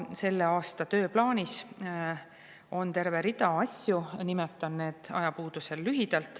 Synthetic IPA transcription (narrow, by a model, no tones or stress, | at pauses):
se̞lːe̞ɑːst̪ɑt̪ø̞ːplɑːnʲis | o̞nt̪e̞ɾve̞ɾid̪ɑɑsʲjunimet̪ːˑɑnne̞ːd̪̥ɑ̰jɑpuːd̪̥uselːyɦid̪̥ɑlt̪ːˑ